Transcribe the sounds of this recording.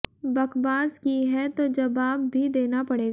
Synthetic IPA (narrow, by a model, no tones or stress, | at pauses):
bɐkbaːzkiɦɛt̪od͡ʒɐbaːbːʱid̪eːnapɐɽeːɡa